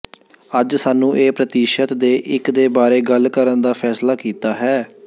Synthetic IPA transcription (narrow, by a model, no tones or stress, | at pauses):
əd͡ʒsaːnːũːʔeːpɾət̪iːʃət̪d̪eːʔɪkd̪eːbaːɾeːɡəlkəɾənd̪aːpʰɛːslaːkiːt̪aːɦɛː